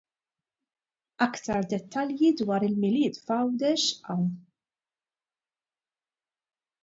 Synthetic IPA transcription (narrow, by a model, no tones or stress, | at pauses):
ɐkt̪ɐɾd̪ɛt̪ːɐljid̪wɐːɾɪlmɪlɪːt̪fɐwd̪ɛʃɐw